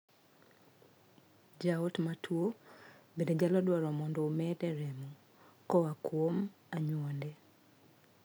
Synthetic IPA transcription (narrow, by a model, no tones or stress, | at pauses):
d͡ʒaotmatʰwobeded͡ʒalɔdwɔɾɔmɔndɔomɛdɛɾɛmɔ | kɔwakwom | aɲwɔndɛ